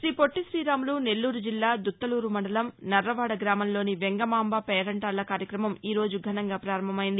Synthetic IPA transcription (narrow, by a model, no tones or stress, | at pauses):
ʃɾiːpoʈːisɾiːɾaːmluːne̞lːuːɾud͡ʒilːaːd̪ut̪ːɐluːɾumɐɳɳɖɐlɐmnɐrːɐʋaːɽɐɡɾaːmɐmlo̞ːniʋeŋɡɐmaːmbapɛːɾɐɳʈaːlːɐkaːɾjɐkɾɐmɐmiːɾo̞ːd͡ʒuɡʱɐnɐŋɡaːpɾaːɾɐmbʱɐmɐjind̪i